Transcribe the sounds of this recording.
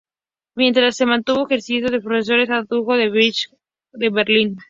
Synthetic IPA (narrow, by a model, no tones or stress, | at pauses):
mje̞nt̪ɾasːe̞mãnt̪uβoexeɾsisjo̞ðepɾoses̬o̞ɾe̞saðuɣoðeβt͡ʃ | d̪eβeɾlin